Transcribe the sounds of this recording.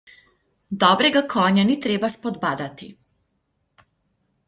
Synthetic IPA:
d̪ɔːbɾɛɡakʰɔːɲanit̪ɾeːbaspɔd̪baːd̪at̪ḭ

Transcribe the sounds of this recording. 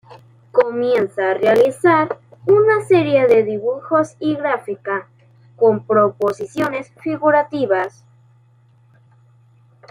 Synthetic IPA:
komjensaːrealisaɾunaseɾjeðe̞ðiβuxo̞siɣɾafika | ko̞mpɾoposisjo̞ne̞sfiɣuɾat̪iβas

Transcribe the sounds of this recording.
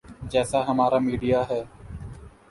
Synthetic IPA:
d͡ʒɛːsaːɦəmaːɾaːmiːɖijaːɦɛː

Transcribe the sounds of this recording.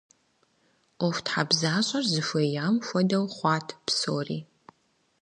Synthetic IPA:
ɔftħabzaːɕʼɐrzɨfʷejaːmfʷɔdɐwχʷɑːtʰpsoːriː

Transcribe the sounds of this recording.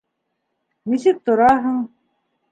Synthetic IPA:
nisɘk̚t̪ŏɾɑɦɤɴ

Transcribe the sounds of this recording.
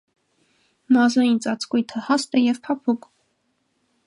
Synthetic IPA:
mɑzɑjint͡sɑt͡sʰkujt̪ʰəhɑst̪ɛjɛvpʰɑpʰukʼ

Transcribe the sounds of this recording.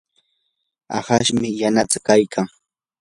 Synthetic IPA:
a̰haʃmɪjanat͡s̪ḁkajkʰaŋ

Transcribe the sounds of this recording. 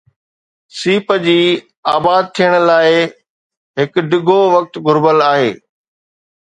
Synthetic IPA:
siːpəd͡ʑiː | aːbaːd̪̚t̪ʰijəɽ̃̆laːɪ | ɦɪkɖɪɡʱoʋɐk̚t̪ɡʱʊɾbəlaːɦeː

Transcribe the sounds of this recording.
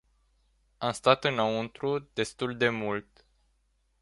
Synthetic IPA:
amst̪at̪ɨnaunt̪ɾud̪e̞st̪uld̪e̞mult̪

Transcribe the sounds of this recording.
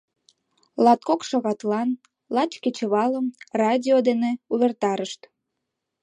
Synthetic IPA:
lɑt̪̚kokʃɑɣɑt̪lɑn | lɑt͡ɕket͡ɕəβɑləmrɑdʲiod̪eneuβert̪ɑɾəʃt̪

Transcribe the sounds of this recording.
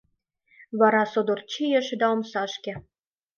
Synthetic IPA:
βɑɾɑsod̪or̚t͡ɕijĕʃĕd̪ɑomʃɑʃkĕ

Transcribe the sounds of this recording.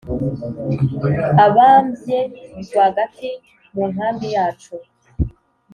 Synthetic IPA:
aβaːmbje̞ɡwahɡati | muːn̥haːmbijaːt͡ʃo

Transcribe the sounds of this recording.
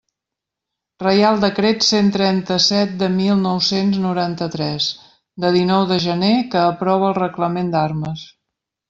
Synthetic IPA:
rəjalˠd̪əkɾet̪sent̪ɾɛnt̪əsɛt̪̚d̪əmilˠnɔwsenznuɾant̪ət̪ɾɛz | d̪əðinɔwðəʒənekəːpɾɔβ̞əːlˠrəkləmend̪arməs

